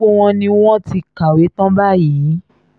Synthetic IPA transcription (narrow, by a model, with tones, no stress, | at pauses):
o˦w̃ɔ̃˧nĩ˧w̃ɔ̃˦ti˧ka˨we˨˦tɔ̃˦ba˦˨ji˨˦